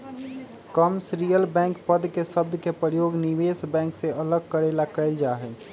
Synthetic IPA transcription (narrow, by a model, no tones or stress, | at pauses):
kəmsɾijəlbɛ̃ːŋkpəd̪kesəb̚d̪ʱkepɾəjoːɡniʋeːsbɛ̃ːŋkseələɡ̚kəɾelakəɪld͡ʒaːɦɛː